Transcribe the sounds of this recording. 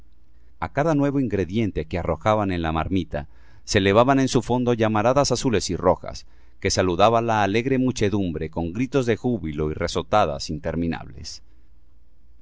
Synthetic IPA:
akaðanwe̞βo̞iŋɡɾe̞ðje̞nt̪e̞ke̞aro̞xaβane̞nlamaɾmit̪a̰ | sele̞βaβane̞nsufo̞nd̪o̞ʝamaɾaðasasule̞siro̞xa̰s | ke̞saluðaβalaːle̞ɣɾe̞mut͡ʃe̞ðumbɾe̞ko̞ŋɡɾit̪o̞zðe̞xuβilo̞ire̞so̞t̪aða̰sint̪e̞ɾmĩna̰βle̞̰s

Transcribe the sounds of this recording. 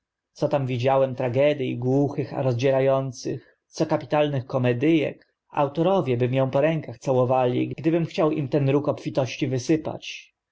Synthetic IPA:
t̪sɔt̪amvʲid͡ʑawɛmt̪ɾaɡɛd̪ʲjiɡwuxɘxa̰ɾɔzd͡ʑɛɾajɔnt̪sɘx | t̪sɔkapʲi̥t̪alnɘxkɔmɛd̪ɘjɛ̰k | a̰wt̪ɔɾɔvʲjɛbɘmjɔ̃w̃pɔɾɛŋkaxt̪sawɔvalʲḭɡɡd̪ɘbɘmxt͡ɕawimt̪ɛnɾukɔpfʲit̪ɔɕt͡ɕivɘsɘpa̰t͡ɕ

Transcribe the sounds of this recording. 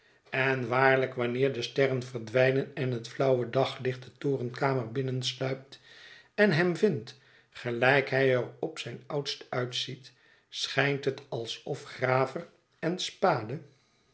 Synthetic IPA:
ɛnʋaːɹləkʋɑnɪːɹdəstɛrənvərdʋɛjnənɛnɦətflʌwədɑχlɪχt̚dətoːrənkaːmərbɪnənslœɥp̚t | ɛnɦɛmvɪnt | χəlɛjkɦɛjərɔpsɛjnʌwtstœɥtsit | sχɛjntɦətɑlˠsɔfχraːvər | ɛnspaːdə

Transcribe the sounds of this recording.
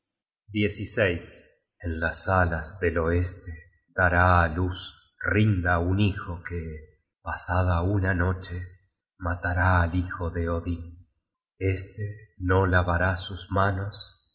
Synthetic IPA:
d̪je̞sisejs | enlasalazðelo̞est̪e | d̪aɾaːlus | rind̪aunixo̞ke | pasaðaunano̞t͡ʃe | mat̪aɾaːlixo̞ðeoði | est̪eno̞laβaɾasuzmano̞s

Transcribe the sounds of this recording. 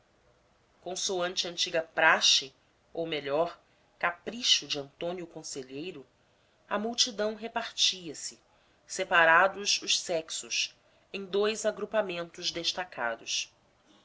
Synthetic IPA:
kõsoɐ̃nt͡ʃɐɐ̃nt͡ʃiɡɐpɾaʃɪ | owmeʎɔɾ | kapɾiʃʊd͡ʒɪɐ̃nt̪õnjʊkõseʎejɾʊ | ɐmuwt͡ʃid̪ɐ̃w̃ɦepaɾt͡ʃiɐsɪ | sepaɾad̪ʊzʊʃsɛksʊʃ | ẽj̃d̪ojzaɡɾupamẽnt̪ʊʒd̪eʃt̪akʰa̰d̪ʊʃ

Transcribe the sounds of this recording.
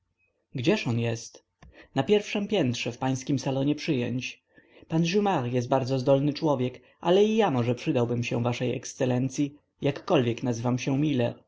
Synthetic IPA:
ɡd͡ʑɛʂɔnjɛst̪ | napʲjɛɾfʂɛmpʲjɛnt̪ʂɛfpaj̃skʲimsalɔɲɛpʂɘjɔ̰ɲt͡ɕ | panʑumaɾjɛst̪̚baɾd̪zɔzd̪ɔlnɘt͡ʂwɔvʲjɛk | ʔa̰lɛijamɔʐɛpʂɘd̪awbɘmɕɛ̃vaʂɛjɛ̰kst̪sɛlɛnt̪sʲji | jakːɔlvʲjɛknazɘvamɕɛmʲilɛ̰ɾ

